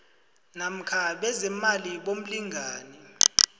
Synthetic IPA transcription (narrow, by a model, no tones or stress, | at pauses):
nam̩kʰaɓɛzɛmaliɓom̩liŋʱaːnɛ